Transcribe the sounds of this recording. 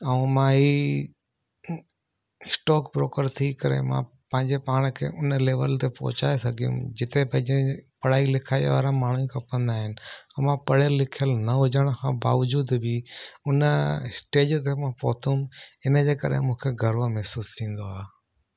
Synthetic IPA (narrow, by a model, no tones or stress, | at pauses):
ɛũmãɦiː | sʈɔːkpɾoːkəɾt̪ʰikɐɾḛmã̰ | pɐ̃ɦɪ̃ɲd͡ʑepaːɽ̃kʰḛːʔʊnleːʋəlt̪epɔ̰ːt͡ɕaːesɐɡʱijṵ̃d͡ʑɪt̪epɐ̃ɪ̃d͡ʑẽpɐɽ̤aːilɪkʰaːḭʋaːɾãmaːɳ̤uĩkʰãpə̃nd̪aːɦɪnɪ̆̃mãpɐɽelːɪkʰijəlnɐɦʊd͡ʑəɽ̃kʰãbaːʋd͡ʑuːd̪biʊnəsʈeːd͡ʑt̪emãpɔ̰ːt̪ʰũmɪnəd͡ʑeːkɐ̰ɾḛmũːkʰeɡʱɐɾʋomɛɦsuːst̪ʰĩːn̆d̪oaːɦː